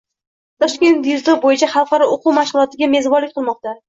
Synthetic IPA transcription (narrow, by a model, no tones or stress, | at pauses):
t̪ʰɒʃkʲe̞nt̪jʊzlɪʁbojɪt͡ʃʰaχɑlˠqɑɾɒoqʰʊwmaʃʁʊlˠɒt̪ʰɪɡʲame̞zbɒɾlɪkʲqʰɨlˠmɒq̚t̪a